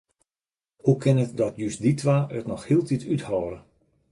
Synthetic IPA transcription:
hukʰɪnətdɔtjysditʰʋaːʔətnɔxhiəlˠtʰitʰythɔːɾə

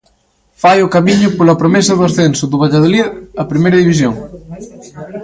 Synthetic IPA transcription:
fajokamiɲʊpolɐpɾomesɐðuasθensoðuβ̞aʎað̞oliðɐpɾimejɾɐðiβis̬joŋ

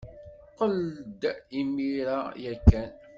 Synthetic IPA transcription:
qəld̪imiɾajækːæn

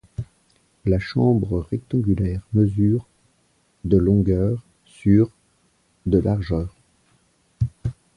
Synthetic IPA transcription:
laʃɑ̃bʁəʁɛk̚t̪ɑ̃ɡʲylɛʁməzyːʁ | d̪əlɔ̃ɡœːʁ | syʁ | d̪əlʔaʁʒœːʁ

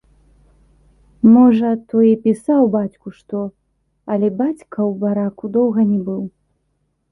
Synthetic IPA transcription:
mɔʐɐt̪ɔjipʲisawbat͡sʲkuʂt̪ɔ | ɐlʲɛbat͡sʲkɐwbaɾakud̪ɔwɣɐnʲɛbɨw

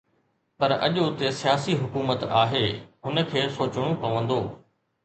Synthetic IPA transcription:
pɐɾɐ̰ʄot̪esijaːsiɦʊkuːmət̪aːɦeːɦʊnə̆kʰeːsoːt͡ɕɽ̃õpɐʋə̃nd̪oː

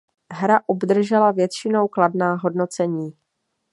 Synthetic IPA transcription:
ɦɾaʔobd̪r̩ʒɛlavjɛt̪t͡ʃɪno̞wkladnaːɦo̞dno̞t͡sɛɲiː

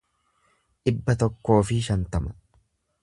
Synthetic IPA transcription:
ʔɪbːɐt̪ɔkːo̞ːfɪʃɐnt̪ɐmɐ̥

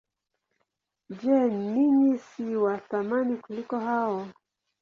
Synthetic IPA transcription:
d͡ʒɛniɲisiwaθamanikulikɔɦaɔ

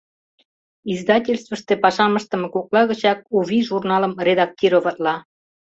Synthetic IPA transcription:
izd̪ɑtʲelʲst̪vəʃt̪epɑʃɑməʃt̪ə̆mekuklɑɣət͡ɕɑk̚uβʲiʒurnɑləmrʲed̪ɑk̚tʲiɾovɑt̪lɑ

